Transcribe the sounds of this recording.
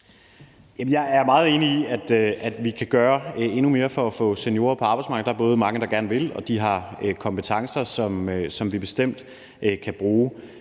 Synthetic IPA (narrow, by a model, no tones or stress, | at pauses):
jæmənjɑ̈ɪæɐmɑ̈ːð̞̩ˠe̝ːniiæd̥ʔæd̥ʋikʰæɡ̥ɶːɐe̝nume̝ːɐfɒ̽æfɔ̽senjo̝ːɐpʰɒ̽ɑ̈bɑ̈ɪsmɑ̈ɡð̩̥ˠɑæɐbɔ̽ːð̞̩ˠəmɑ̈ŋəd̥ɑ̈ɡ̥æɐnəʋe̝lɒ̽d̥iɦɑ̈økʰɒ̽mb̥ət͡sʰɑ̈ŋsɐsɒ̽msɒ̽mʋib̥e̝sd̥em̰d̥ | ʔkʰæb̥ʁuː